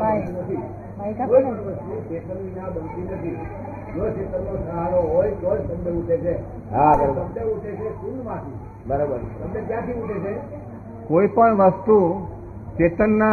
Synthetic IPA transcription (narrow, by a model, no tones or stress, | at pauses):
t̪inət̪ʰi | koiiʋəst̪et͡ʃet̪ənnãbənt̪inət̪ʰi | d͡ʒot͡ʃet̪ənːosəɦaɾoɦojkojsəmdeuʈʰet͡ʃʰe | ɦaɾosəmdeuʈʰet͡ʃʰekunmãt̪ʰi | bəɾobəɾsəmnẽkjãt̪ʰiuʈʰet͡ʃʰe | koipəɳʋəst̪u | t͡ʃet̪ənːa